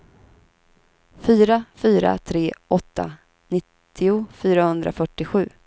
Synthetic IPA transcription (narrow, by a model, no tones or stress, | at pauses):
fyːɾafyːɾa̰t̪ʰɾeːʔɔt̪ʰːa̰ | nɪt̪ʰːɪʊfyːɾahɵnd̪ɾa̰fœʈːɪɧʉ̟ː